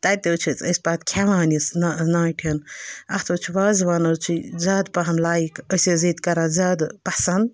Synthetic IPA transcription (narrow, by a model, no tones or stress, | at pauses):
t̪ɐt̪ewt͡ʃʰit͡sʼɐsʲbaːt̪kʲʰaʋaːnisnnaːʈʰinɐht̪ʰoːt͡ʃʰiʋaːzʋaːnɐt͡ʃʰizaːd̪pɐɦɐmlaːikəseziːt̪kɐɾãːzaːd̪pɐsɐnd̪̚